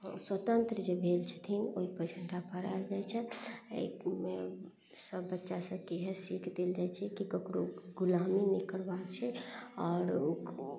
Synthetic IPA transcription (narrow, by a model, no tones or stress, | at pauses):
swət̪ənt̪ɾəd͡ʒebʱelt͡ʃʰə̥t̪ʰinoɦipəɾd͡ʒʰəɳʈapəɾald͡ʒajt͡ʃʰɛḛkme | səbːətːʃasə̃keɦesikʰd̪eld͡ʒajt͡ʃʰɛkikəkɾoɡulaminikəɾbakt͡ʃʰɛɔːɾo